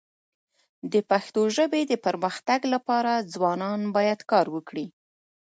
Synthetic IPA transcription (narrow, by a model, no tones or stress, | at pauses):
d̪əpaxt̪oʒəbed̪əpəɾməxt̪aɡlapɑɾad͡zwɑnɑnbɑjad̪kɑɾwəkɽi